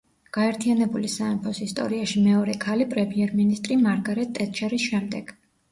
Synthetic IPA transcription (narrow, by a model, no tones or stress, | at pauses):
ɡ̥aɛɾt̪ʰianɛbulisaɛmpʰɔsist̪ʼɔ̰ɾiaʃimɛɔɾɛkʰalipʼɾɛmiɛɾminist̪ʼɾimaɾɡaɾɛt̪̚t̪ːʼɛt̪t͡ʃɛɾisʃɛmd̪ɛɡ̥